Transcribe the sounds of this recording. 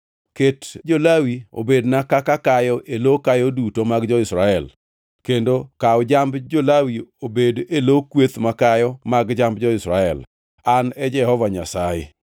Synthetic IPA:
ketd͡ʒolawio̰bednakakakajɔʔelokajɔdutomaɡd͡ʒɔɪsɾaɛl | kendokaɔd͡ʒambd͡ʒolawiobedelokwet̪makajɔmaɡd͡ʒambd͡ʒɔɪsɾaɛ̰l | anɛd͡ʒɛhɔvaɲasajḛ

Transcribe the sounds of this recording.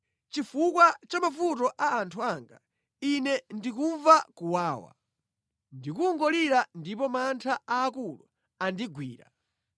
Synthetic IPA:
t͡ʃifukwat͡ʃamafutɔʔaːntʰuaŋɡa̰ | inɛndik̬uɱvakuwaːwa̰ | ndikuŋɡɔliɾandip̬ɔmantʰaaːkulṵ | andiɡwiːɾa̰

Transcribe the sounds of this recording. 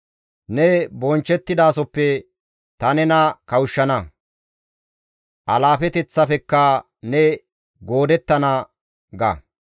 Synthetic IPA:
nɛbɔnt͡ʃːɛt̪ːɪd̪aːsɔpːɛ | t̪ɐnɛnɐkɐwʊʃːɐnɐ | ʔɐlaːfɛt̪ɛt͡sːɐfɛkːɐ | nɛ | ɡoːd̪ɛt̪ːɐnɐ | ɡɐ̰

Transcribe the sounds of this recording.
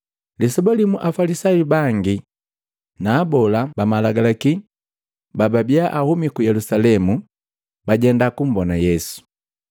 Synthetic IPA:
lisɛbɔlimuʔafalisajibaŋɡi | naːbɔlabamalaɡalaki | bababiaʔahumikujɛlusalɛmu | baɟɛndakum̩bɔnajɛsu̥

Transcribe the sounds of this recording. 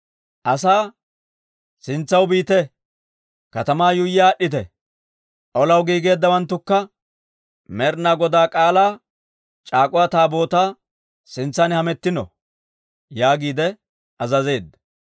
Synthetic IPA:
ʔɐsaː | sɪnt͡sːɐwbiːt̪ɛ | kɐt̪ɐmaːjʊjːaːɗːɪt̪̬ɛ | ʔɔlɐwɡiːɡe̞ːd̪ːɐwɐnt̪ːʊkːɐ | mɛɾnaːɡɔd̪aːkʼaːlaː | t͡ʃʼaːkʼʊwaːt̪aːbo̞ːt̪aː | sɪnt͡sːɐnhɐmɛt̪ːɪnɔ̰ | jaːɡiːd̪ɛ | ʔɐzɐze̞ːd̪ːɐ

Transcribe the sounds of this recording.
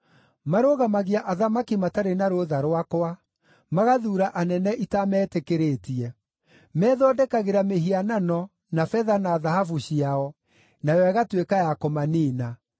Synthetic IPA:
maɾoɣamaɣiaʔaðamakimataɾenaɾooðaɾwakoa | maɣaðuːɾaʔanɛnɛʔitamɛːtekeɾeːtiɛ | mɛːðɔdɛkaɣeɾameɦiananɔ | nafɛðanaːðahafuɕiaɔ | najɔɛɣatwekajakɔmaniːna

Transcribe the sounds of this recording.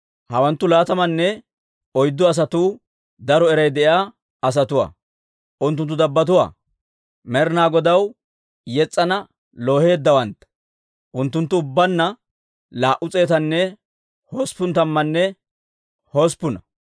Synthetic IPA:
hɐwɐnt̪ːʊlaːt̪ɐmɐnːɛ | ɔjd̪ːɔɐs̬ɐt̪uː | d̪ɐɾɔɛɾɐjd̪ɛʔjaː | ɐs̬ɐt̪ʊwa̰ː | ʔʊnt̪ːʊnt̪ːʊd̪ɐbːɐt̪̬ʊwa̰ː | mɛɾɪnaːɡɔd̪ɐw | jɛt͡sʼːɐnɐ | loːhe̞ːd̪ːɐwɐnt̪ɐ | ʔʊnt̪ːʊnt̪ːʊːʊbːɐnːɐ | laːʔʊt͡sʼe̞ːt̪ɐnːɛ | hoːspʊnt̪ɐmːɐnːɛ | hospʊnɐ

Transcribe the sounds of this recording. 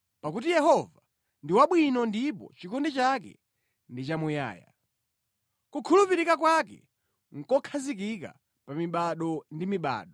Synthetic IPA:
pakutijɛhɔva | ndiwaɓwinɔndipɔ̰t͡ʃikɔndɛt͡ʃakɛ̰ | ndit͡ʃamuja̰ːja̰ | kukʰulupiɾikakwakɛ̰ | ŋ̩kɔkʰazik̬ika̰ | pamiɓaɗɔndimiɓa̰ːɗɔ

